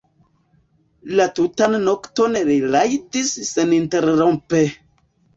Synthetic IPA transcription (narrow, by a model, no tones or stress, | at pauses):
latutanːokto̞nɾilajtisːeninteɾɾompe